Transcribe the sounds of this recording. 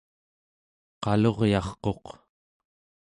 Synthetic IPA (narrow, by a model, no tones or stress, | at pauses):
qɑlo̞ʁjɑχqo̞q